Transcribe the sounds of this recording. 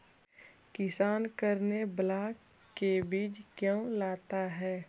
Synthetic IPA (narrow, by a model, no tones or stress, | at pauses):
kɪsaːnkəɾneblaːkː | ebiːd͡ʒkjõːlaːt̪aɦɛː